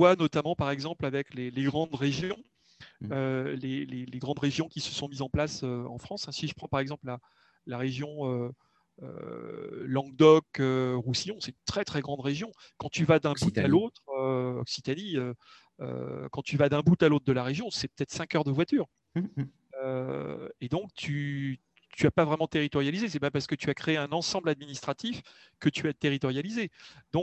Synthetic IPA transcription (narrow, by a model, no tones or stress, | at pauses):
vwanɔt̪amɑ̃paʁɛɡzɑ̃plavɛkleleɡʁɑ̃d̪ʁeʒjɔ̃ | øleleleɡʁɑ̃d̪ʁeʒjɔ̃kʲisə̥sɔ̃mizɑ̃plasøɑ̰̃fχɑ̃sɛ̃siʒəpχɑ̃paʁɛɡzɑ̃pla | laʁeʒjɔ̃ø | ø̰ | lɑ̃ɡ̚d̪ɔkøʁusijɔ̃sɛt̪ynt̪χɛt̪χɛɡʁɑ̃d̪ʁeʒjɔ̃ | kɑ̃t̪yvad̪ɛ̃but̪alot̪χøɔ̰ksit̪aniø | ø̰kɑ̃t̪yvad̪ɛ̃but̪alot̪χd̪əlaʁeʒjɔ̃sɛpø̥t̪ɛt̪χsɛ̃kœʁd̪əvwat̪yːʁ | ø | ed̪ɔ̃k̚t̪ʰy | t̪yapavʁɛmɑ̃t̪eʁit̪ɔʁjalizes̬ɛpapaʁsə̥kət̪yakχeeɛ̃nɑ̃sɑ̃blad̪minist̪χat̪ifkət̪yat̪eʁit̪ɔʁjalized̪ɔ̃k̚